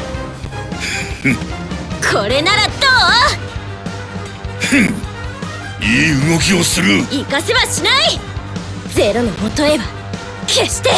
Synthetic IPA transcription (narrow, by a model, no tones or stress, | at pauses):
kʰo̞ɾe̞naɾat̪o | iːɯɡo̞kʲio̞sɨɾɯikaseβaɕinai | d͡ze̞ɾo̞nomot̪oe̞ba | kʰe̞ɕi̥t̪e̞